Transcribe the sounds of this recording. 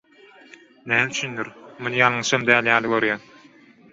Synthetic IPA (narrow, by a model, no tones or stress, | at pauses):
næːmyt͡ʃʰynd̪yɾmunɯjɑlˠɯŋʃɑmd̪æːljɑːlˠiɡøɾjæn